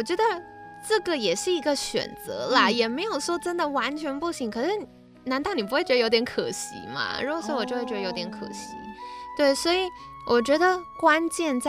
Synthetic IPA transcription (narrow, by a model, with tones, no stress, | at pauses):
wɔ˨˩t͡ɕɥɛ˧˥d̪ə˧ʈ͡ʂ̩˥˩ɡə˨˩jɛ˨˩ʂɻ̩˥˩i˧˥ɡə˧ɕɥɛ̰˨˩nt͡sɤ̰˧˥lɐ˧jɛ˨˩me˧˥ɪjo˨˩ʊʂwɔ˥ʈ͡ʂə˥nd̪ə˨wa˧˥nt͡ɕʰɥɛ˧˥npu˥˩ɕi˧˥ŋkʰɤ˨˩ʂɻ̩˥˩˨ | na˧˥nt̪ɑ˥˩ʊni˨˩pu˧˥xwe˥˩t͡ɕɥ̪ə˧j̪jʲɛ˧˥nkʰɤ˨˩ɕḭ˧˥mɐ̰˧ɻu˧˥ɡɔ˨˩ʂwɔ˥wɔ˨˩t͡ɕɥt͡ɕjo˧˥ʊt̪jʲɛ˧˥nkʰɤ̰˨˩ɕḭ˧˥t̪we˥˩ɪswɔ˧˥i˨˩wʔɔ˨˩t͡ɕɥɛ˧˥d̪ə˧kwa˥nt͡ɕjɛ˥˧nt͡sa˥